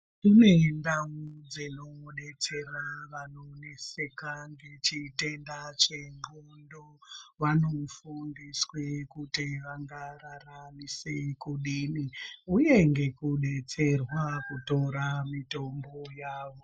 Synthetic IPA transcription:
tine̞ndaud͡zino̞ɗe̞t͡se̞raʋano̞nese̞kaŋɡe̞t͡ʃite̞ndat͡ʃeŋɡundo | ʋanofundiswekutiʋaŋɡararamisekuɗiniuje̞ŋɡe̞kuɗe̞t͡se̞rwakuto̞ɾamito̞mbo̞jaːʋo̞

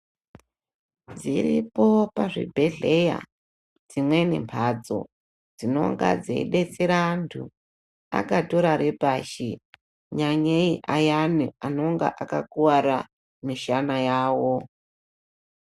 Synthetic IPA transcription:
d͡ziripo̞paʐḭbʱe̞ɮe̞ja̰ | d͡zimwe̞ne̞̰mpʰad͡zo̞̰ | d͡zino̞̰ŋɡa̰d͡zḛḭɗe̞t͡seɾantʰu | a̰kato̞ɾaɾepaʃi | ɲaɲeiʔajaniano̞ŋɡa̰ʔakakuwaɾa | miʃanajaːwo

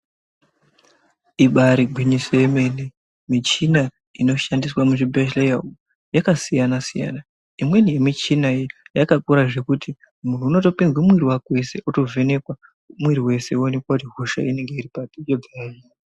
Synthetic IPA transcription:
iɓaɾiɡʱwiɲisojeme̞ne | mit͡ʃina | ino̞ʃandiswamuʐibʱeʃlejau | jakasijanasija̰na | imwe̞nije̞mit͡ʃinaijakakuɾaʐe̞kuti | mun̤uːno̞to̞pinzwamwiɾiwakwe̞se̞ʔuto̞vʱe̞ne̞kwa | mwiɾiwe̞se̞uone̞kwakutiɦuʃa̰ine̞ŋɡe̞iripatijod͡zaji

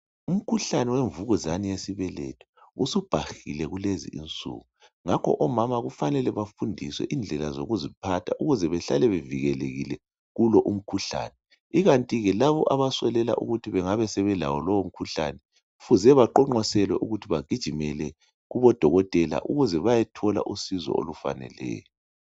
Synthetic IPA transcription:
um̩kʰuɬanɛweɱvuɣɔzanijesiβɛlḛtʰu̥usub̥ʱaxilɛɣulezḭʔḭnt͡sʼṵɣu | ŋakʰɔ̰ʔɔmamaɣufanɛlɛβafundʱiswɛ̰ʔind͡ɮʱɛlazo̰ɣuzipʰatʰaʔuɣuzɛβɛɬa̰lɛβeviɣɛleɣḭlɛ | ɣulɔʔum̩kʰuɬa̰ːnɛ | iɣantʼiɣɛlaβɔʔaβasɛlɛla̰ʔṵɣutʰiβɛŋaβɛsɛβɛla̰wɔlɔwom̩kʰuɬa̰nɛ | ufuzɛβaǃɔŋ͡ǃɔsɛlwɛʔuɣutʰiβaɡ̥ʱid̥ʒ̥ʱimɛlɛ | ɣuβɔd̥ʱɔɣɔtʼɛla̰ʔuɣuzɛβajɛtʰɔla̰ʔusizɔ̰o̰lufa̰nɛ̰lɛ̰ːjɔ

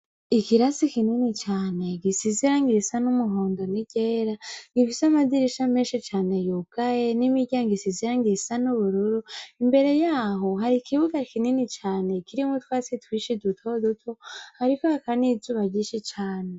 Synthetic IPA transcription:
ikiɾasikininit͡ʃaːne̞ɡisiziɾaŋɡisanumuɦoːndo̞niɟ̥eːɾaŋɡifisamadiɾiʃamenʃit͡ʃaːne̞juɡ̥ajenimiɟaŋɡisiziɾaŋɡisanuβuɾuɾuimbe̞ɾe̞jaːɦo̞ɦaɾikʰiβuɡakininit͡ʃaːne̞kʰiɾimutwaːsitwiʃidutʰodutʰo̞haɾikohakanizuːβaɟiʃit͡ʃaːne

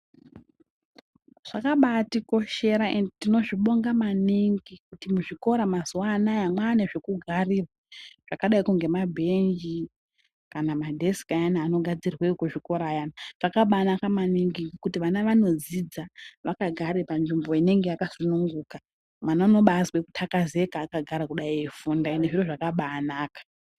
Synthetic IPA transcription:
ʐ̥akaɓatiko̞ʃe̞ɾaendetino̞ʐiɓo̞ŋɡamaniŋɡikutimuʐiko̞ɾamazuwanajamwane̞ʐe̞kuɡʱariːraʐ̥akaɗaikuŋɡe̞mabʱe̞nd͡ʒi | kanamadʱe̞si̥kajanaːno̞ɡʱad͡zirweukuʐiko̞ɾajanaʐ̥akaɓanakamaniŋɡikutiʋanaʋano̞d͡zid͡zaʋakaɡʱaɾepanʐimbo̞ine̞ŋɡejakasunuŋɡuːka | mwanano̞ɓaswekutʰakaze̞kaːkaɡʱaɾakuɗaiefundaineʐiroʐakaɓaːnaːkḁ

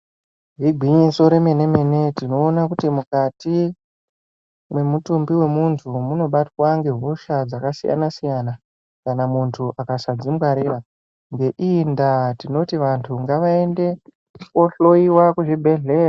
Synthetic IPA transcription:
ɦiɡʱiɲiso̞ɾe̞me̞ne̞me̞ne̞tino̞ːnakutimukati | mwe̞mutumbiwe̞muntʰumuno̞ɓatwaŋɡe̞ɦuʃad͡zakasija̰nasijana | kanamuntʰuʔakasad͡zimwaɾeɾa | ŋɡe̞ʔindatino̞tiʋantʰuŋɡaʋae̞nde̞ | koɬo̞iwakuʐibʱe̞ɮe̞ːra

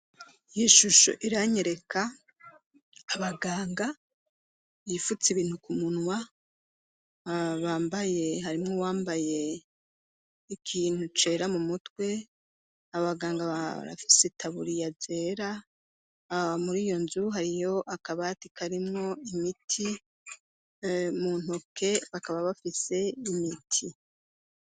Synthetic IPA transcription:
ijiʃuʃo̰ʔiɾaɲeɾe̞kʰa | βaɡaːŋɡa | jifut͡siβiːn̥hukumunwa | βaːmbaje̞ɦaɾimŋo̞waːmbaje̞ | ikʰiːn̥hut͡ʃe̞ɾamumutwe̞ː | βaɡaːŋɡaa̰ɾa̰fi̥setʰaβuɾijaze̞ːɾa | muɾiːjo̞nzuɦaɾijo̞ʔakaβatikʰaɾimŋo̞imitʰi | mun̥hokʰe̞βakaβaβafise̞imitʰi

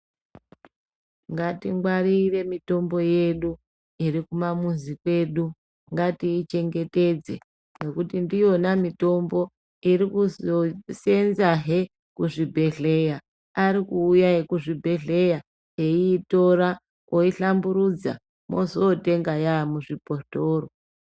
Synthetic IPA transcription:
ŋɡatiŋɡwaɾire̞mito̞mbo̞je̞ɗu | iɾikumamunzikwe̞ɗu | ŋɡatiːt͡ʃe̞ŋɡe̞te̞d͡ze̞̰ | ne̞kutindijo̞namito̞mbo̞ | iɾikuzose̞nzaɦe̞ | kuʐibʱe̞ɮe̞ja | aɾikuːjaekuʐibʱe̞ɮe̞ja | ɦeiːto̞ɾa | koiɬambuɾud͡za̰ | mozote̞ŋɡajamuʐipotoːɾo

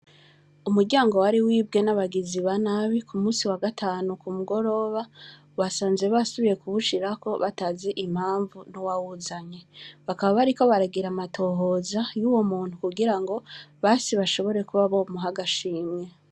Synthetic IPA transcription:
umuɾɟaːŋɡo̞waɾiwiːbɡe̞naβaɡiziβanaβikumuːsiwaɡatʰaːnukumuɡo̞ɾo̞βa | βasaːnze̞βasuβije̞kuβuʃiɾako̞βataːze̞ʔim̥haːɱvunuwawuzaɲe̞βakaβaβaɾiko̞βaɾaɡiɾamatʰo̞ɦo̞ːzajuːwo̞muːn̥hukuɡiɾaŋɡo̞βaːsiβaʃo̞βo̞ɾe̞kuβaβomuɦaɡaʃiːmɲe̞

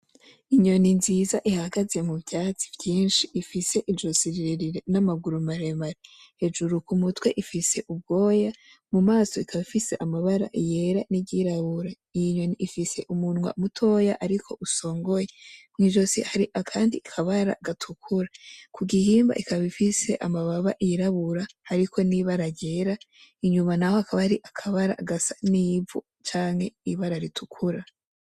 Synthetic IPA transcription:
iɲo̞ninzizaʔihaɡaze̞muβjaːt͡si̥vjiːnʃiːfise̞ʔid͡ʒo̞siɾiɾeɾiɾenamaɡuɾumaɾemaɾehe̞d͡ʒuɾukumutwe̞̰ʔifise̞ʔub̚ɡo̞ːja | mumaːso̞ikʰaβifise̞ʔamaβaɾa̰ʔije̞ɾaniɟiɾaβuɾa | ijɲo̞niʔifise̞ʔumunwa̰ʔumutʰo̞jaʔaɾikʰo̞̰ʔuso̞ːŋɡo̞jemŋiːʒo̞sihaɾiʔakʰaːndikʰaβaɾa̰ɡatʰukʰuɾakʰuɡihiːmba̰ʔikʰaβifise̞̰ʔamaβaβaʔiɾaβuɾahaɾikʰo̞niβaɾaɾjɟeɾa | iɲumanaho̞akʰaβahaɾiʔakʰaβaɾa̰ɡasḁnivu | t͡ʃaːŋhe̞iβaɾaɾitʰukʰuɾa

